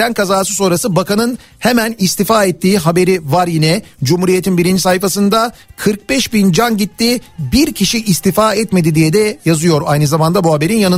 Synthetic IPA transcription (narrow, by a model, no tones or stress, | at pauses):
ænkazaːsɯso̞nɾasɯbakanɯn | hemænist̪ifaːɛt̪ːiːɦabe̞ɾivaɾjinɛd͡ʒumhuːɾije̞t̪ʰinbiɾind͡ʒisajfasɯnd̪akʰɯɾk̚bɛʃbind͡ʒanɟit̪ʰːibiɾcʰiʃiʔːst̪ifaːɛt̪me̞d̪id̪ijɛd̪ɛjazɯjo̞ɾajnɯzamand̪abuhabe̞ɾinjanɯ